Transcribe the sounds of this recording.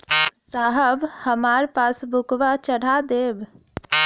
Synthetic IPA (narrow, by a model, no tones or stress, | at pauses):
saɦəbhəmaɾpasbʱukʋat͡ʃəɽ̤ad̪eb